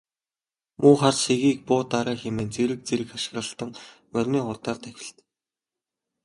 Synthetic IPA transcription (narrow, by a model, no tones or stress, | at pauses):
mʊːχarseɣiːk̚pʊːt̪ːaɾaːxemeːnt͡seɾɘ̆k̚t͡seɾɘ̆kaʃɪ̆ɣrə̆ɬt̪ə̆ŋ | mœrʲmiːʊrt̪aːrt̪ʰæxʲɪ̆ɬt̪